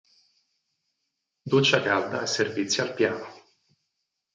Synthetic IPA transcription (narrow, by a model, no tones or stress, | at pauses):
d̪ut͡ʃːakald̪aɛsːervit̪sːjoalpjaːno